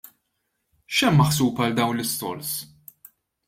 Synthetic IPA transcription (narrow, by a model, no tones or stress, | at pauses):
ʃɛmːɐħsuːpɐld̪ɐwnlɪst̪ɔ̰ɾs